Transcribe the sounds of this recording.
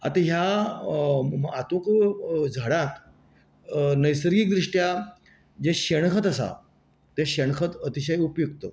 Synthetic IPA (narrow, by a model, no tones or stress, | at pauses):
a̰t̪ãɦja | at̪õkd͡zʱəɽãt̪ | nəjsəɾɡiːk̚d̪ɾiʂʈja | d͡ʑeɕeɽ̃kʰət̪əsa̰ | t̪eɕeɽ̃kʰət̪ət̪iɕəjupjuɡt̪ə̰